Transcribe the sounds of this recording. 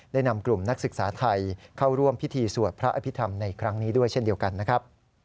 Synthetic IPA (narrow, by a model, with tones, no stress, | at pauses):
da˥˩jna˧mklu˨˩mna˦˥k̚sɯ˨˩k̚saː˩˦t̪ʰa˧jkʰa˥˩wɾu˥˩əmpʰi˦˥t̪ʰiː˧su˨˩ət̪̚pʰɾa˦˥ʔa˧pʰi˦˥t̪ʰa˧mna˧jkʰɾa˦˥ŋniː˦˥du˥˩əjt͡ɕʰe˥˩ndi˧əwka˧nːa˦˥kʰɾa˦˥p̚